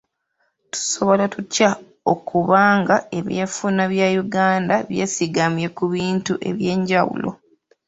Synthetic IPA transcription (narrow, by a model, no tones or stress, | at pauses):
tu̥so̞βo̞latuca | okuβaːŋɡae̞βjeːfunaβjajuɡaːndaβje̞ːsiɡamje̞kuβiːntuʔe̞̰βje̞ːɲɟawṵlo̞̰